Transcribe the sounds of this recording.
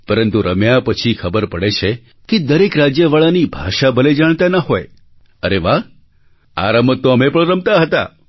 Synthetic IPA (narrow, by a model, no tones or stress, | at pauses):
pəɾənt̪uɾəmjapət͡ʃʰikʰəbəɾpəɽet͡ʃʰe | ked̪əɾekɾad͡ʒjəʋaɭanibʱaʃabʱəled͡ʒaɳ̃t̪anaɦoe | əɾeʋaɦ | a̰ɾəmət̪ːoəmepəɳɾəmt̪aɦət̪a̰